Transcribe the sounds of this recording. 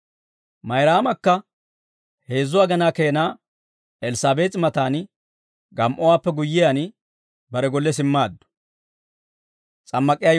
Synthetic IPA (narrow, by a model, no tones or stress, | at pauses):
mɐjɾaːmɐkːɐ | he̞ːzːʊwaːɡɐnaːkeːnaː | ɛlɪsaːbe̞ːt̪ʼmɐt̪aːn | ɡɐmʔɔwaːpːɛɡʊjːɪjan | bɐɾɛɡɔlːɛs̬ɪmːaːd̪ːʊ̥ | t͡sʼɐmːɐkʼɪjaː